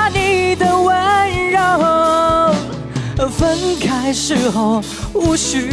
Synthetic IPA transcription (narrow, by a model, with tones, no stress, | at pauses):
ni˨˩d̪ə˧wə˦nɻɑ˧˩o˧ | fə˥nkʰa˥ɪʂɻ̩˥˧xo˧˩ʊ | u˥˩ɕy˧˥